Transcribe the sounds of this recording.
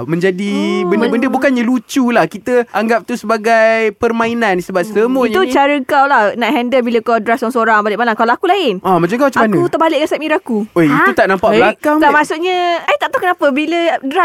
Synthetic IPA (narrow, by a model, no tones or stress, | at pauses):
mə̃ɲd͡ʒadibənbdəbəndəbukanɲalut͡ʃulahkit̪əaŋɡap̚t̪usəbaɡajpərmãinanisəbap̚səmoiɲt̪ut͡ʃaɾəkawlahnaʔɦɛndəbiləkawdɾasaŋsoɾaŋbalɪʔmalaŋkalawakulaɪnʔamat͡ʃaŋkamat͡ʃaamanəut̪abalɪʔkasapmiɾakuojit̪ut̪aʔnampaʔəlakaŋlamasuʔɲə̃ait̪aʔt̪akənapəbilədɾas